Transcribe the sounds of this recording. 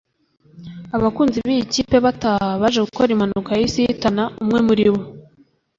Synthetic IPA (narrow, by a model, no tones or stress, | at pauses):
aβakuːnziβijiciːpe̞βatahaβaʒe̞ɡuko̞ɾimanukajisijitanaumŋe̞muɾiβo